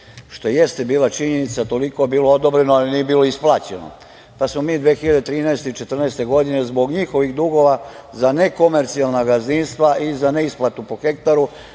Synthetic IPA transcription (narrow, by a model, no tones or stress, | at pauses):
ʃt̪o̞jeje̞st̪e̞biːlat͡ʃiɲe̞nit̪sat̪o̞liko̞biːlood̪o̞bɾe̞noaliniːebiːlo̞isplˠaːt͡ɕe̞no̰ | pasmo̞miːd̪ʋe̞ːxiʎad̪et̪ɾiːnɛest̪eit͡ʃe̞t̪r̩nɛest̪e̞ɡo̞d̪ine̞zbo̞ɡɲixo̞ʋixd̪uɡo̞ʋazane̞ko̞me̞ɾt̪sialnaɡazninst̪ʋaʔizane̞isplˠat̪upo̞xe̞kt̪aɾu